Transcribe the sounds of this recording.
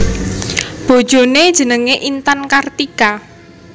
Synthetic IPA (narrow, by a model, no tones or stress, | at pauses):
b̥o̤d̥ʒ̥o̤ned̥ʒ̥ə̤nəŋeʔint̪ankart̪ika